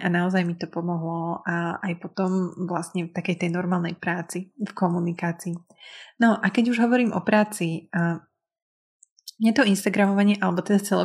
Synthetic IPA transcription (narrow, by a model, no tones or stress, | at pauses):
anaɔzajmit̪ɔpɔmɔɦlɔʔaajpɔt̪ɔmʋlast̪ɲɛft̪akɛjt̪ɛjnɔɾmaːlˠnɛjpɾaːt͡sifkɔmunikaːt͡siː | nɔʔakɛɟuʒɦɔʋɔɾiːmʔɔ̰pɾaːt͡si | jɛt̪ɔinst̪aɡɾamɔʋaɲɪɛʔalɛbɔt̪ɛd̪at͡sɛlɔ̰